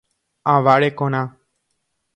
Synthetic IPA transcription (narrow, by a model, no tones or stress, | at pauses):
aʋaɾekõñã